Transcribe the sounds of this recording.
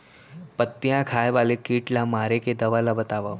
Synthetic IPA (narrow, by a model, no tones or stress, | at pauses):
pət̪ːjãkʰaːjʋalekiːʈlamaːɾeked̪əʋalabət̪aʋa